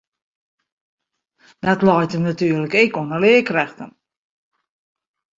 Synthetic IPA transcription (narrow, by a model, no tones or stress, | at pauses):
d̥atlɔjtəmnatyːərləkɛkoənəlɪəkrɛxtə̰n